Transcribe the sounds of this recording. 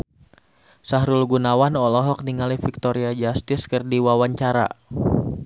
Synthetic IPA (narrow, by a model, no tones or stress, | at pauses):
saɦɾʊlɡunawanɔlɔɦɔk̚niŋalifik̚t̪ɔɾiad͡ʒast̪ɪskərdiwawaɲt͡ʃaɾa̰